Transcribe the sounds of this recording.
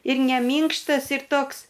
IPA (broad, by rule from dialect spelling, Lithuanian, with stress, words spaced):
ɪr nʲɛ ˈmʲiːŋkʃtɐs ɪr ˈtoːks